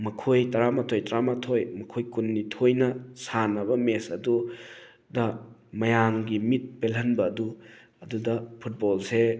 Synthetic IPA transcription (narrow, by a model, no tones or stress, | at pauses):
mɐkʰojtɐɾamɐtʰojtɐɾamatʰojmɐkʰojkunːitʰojnɐsanɐβɐmesɐdu | dɐmɐjaŋɡimit̚pelɦɐnbɐːdu | ɐdudɐpʰut̚bolse